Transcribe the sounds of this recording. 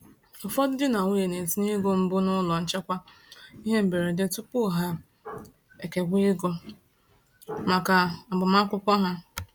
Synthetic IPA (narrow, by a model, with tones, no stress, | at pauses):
ɔ˨fɔ˦dɪ˦dɪ˦na˨ŋʷu˦je˨ne˨ti˦ni˦ɡo˨m̩˦bʊ˦nʊ˦lɔ˨n̩˦t͡ʃe˦kʷa˦i˦ɦe˦m̩˨be˨ɾe˨dɪ˦tʊ˦pʊ˦˨ɦa˦ | e˨ke˨ɡʷi˦ɪ˦ɡo˦ | ma˨ka˨a˨ɡ͡bʊ˨ma˦kʷʊ˦kʷɔ˦ɦa˦